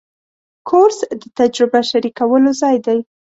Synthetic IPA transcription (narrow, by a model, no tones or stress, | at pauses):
kʰoɾsd̪ət̪ad͡ʒɾɪbaʃaɾikawəlozɑjd̪aj